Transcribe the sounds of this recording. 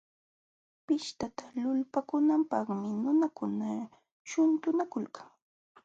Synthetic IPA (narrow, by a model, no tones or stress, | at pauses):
pɪʃt̪at̪alʊlpakʊnampɑχmɪnʊnakʊna | ʃʊnt̪ʊnakʊlkʰaŋ